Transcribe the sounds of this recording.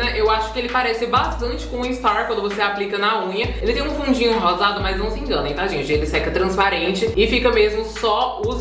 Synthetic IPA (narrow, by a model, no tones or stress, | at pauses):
ɛʔewaʃʊ̥kɪelɪpaɾɛsɪbast̪ɐ̃nt͡ʃɪ̥kõʊĩst̪aɾkwɐ̃nd̪ʊvoseaplikɐnɐũɲɐelɪt̪ẽj̃ũfũd͡ʒĩɲʊ̃ɦɔzad̪ʊmɐznɐ̃w̃sɪẽŋɡɐ̃nɐẽt̪aʒẽnt͡ʃɪelɪsɛkɐt̪ɾɐ̃spaɾẽt͡ʃɪɪfikɐmezmʊsɔʊ